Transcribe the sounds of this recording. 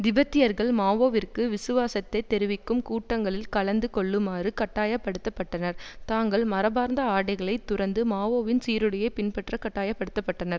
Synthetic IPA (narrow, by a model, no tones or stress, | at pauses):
d̪ɪbɐt̪ːɪjɐɾɣɐɭmaːʋoːʋɪrkɯʋɪsɯʋaːsɐt̪ːɐɪt̪ːɛɾɯʋɪkːɯmkuːʈːɐŋɡɐɭɪlkɐɭɐnd̪ɯkɔɭːɯmaːrɯkɐʈːaːjɐpːɐɽɯt̪ːɐpːɐʈːɐnɐɾt̪aːŋɡɐɭmɐɾɐbaːɾnd̪ɐaːɽɐɪɣɐɭɐɪt̪ːʊrɐnd̪ɯmaːʋoːʋɪnsiːɾɯɽɐjɐpɪnpɛʈrɐkɐʈːaːjɐpːɐɽɯt̪ːɐpːɐʈːɐnɐɾ